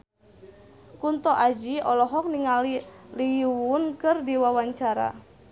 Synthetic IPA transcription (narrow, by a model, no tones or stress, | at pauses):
kunt̪ɔʔad͡ʒiɔlɔɦɔk̚niŋaliliuwunkɨrdiwawaɲt͡ʃaɾa̰